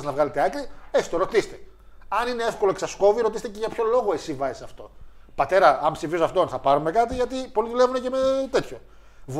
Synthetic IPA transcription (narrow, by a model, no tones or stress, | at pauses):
znɐvɣɐlet̪eɐkɾiesi̥t̪o̞ɾo̞t̪ist̪e̞̥ | ɐnine̞efkolo̞eksɐsko̞viɾot̪ist̪ece̞ʝɐpço̞lo̞ɣo̞e̞sivɐzisɐft̪o̞̰pɐt̪e̞ɾɐɐmpsifizoɐft̪onθɐpɐɾume̞kɐt̪iʝɐt̪ipo̞liðule̞vunece̞met̪e̞t̪ço̞ | v